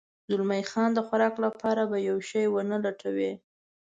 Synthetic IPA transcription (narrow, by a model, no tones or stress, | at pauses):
zʊlmajxɑnd̪əxaɾɑklapʰɑɾabajawʃɑjwənəlaʈʰawe